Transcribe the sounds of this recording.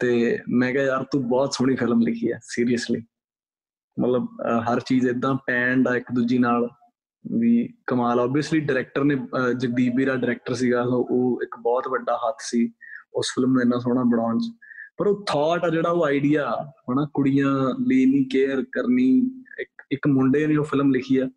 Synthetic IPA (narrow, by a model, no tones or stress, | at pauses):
t̪eːmɛ̃ːkaːjaːɾt̪õːbɔːt̪sʊɳ̃iːpʰɪlmlɪkʰiːɛ̰ːsiːɾijəsliː | mə̰t̪ləbɦəɾt͡ʃiːd͡ʒɪd̪ːãːpɛ̃ːɳɖaːɪkd̪ud͡ʒiːnaːl | ʋiːkəmaːlaɔːbiəsliːɖɪɾɛːk̚ʈəɾneːd͡ʒək̚d̪iːbiːɾaːɖɪɾɛːk̚ʈəɾs̬iːɡaːsõʔoːɪkbɔːt̪ʋəɖːaːɦət̪ʰsiːʊspʰɪlmnũːɪnːãːs̬oːɽãːbəɽ̃ɔ̃ːnt͡ʃpəɾoːt̪ʰaːʈaːd͡ʒeːɽaːoːaːiɖijaːɦoːnaːkʊɽijãːliːnĩːkeːɾkəɾniːɪkɪkmʊɳɖeːneːoːpʰɪlmlɪkʰiːjaː